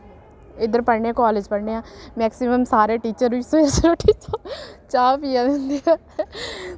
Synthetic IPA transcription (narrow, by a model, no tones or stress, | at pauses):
ɪd̪əɾpəɽɳeãːkaːled͡ʒpəɽɳeːãːmɛːksɪməmsaːɾeːʈiːt͡ʃəɾʋɪsoeɾsɾoːʈʰiːt͡ʃoːt͡ʃaːpiːaːd̪eːnd̪iaː